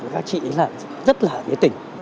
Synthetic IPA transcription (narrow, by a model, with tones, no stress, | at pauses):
kaː˦˥k̚t͡ɕḭ˧˨ʔə˨˦laː˧˩n | zə˦˥t̚laː˨˩fḭ˨˦ət̪ï˨˩ŋ̟